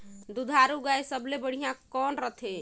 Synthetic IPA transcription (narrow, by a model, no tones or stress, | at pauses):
d̪ud̪ʱaɾuɡajsəblebəɽ̤ijãkɔnɾət̪ʰe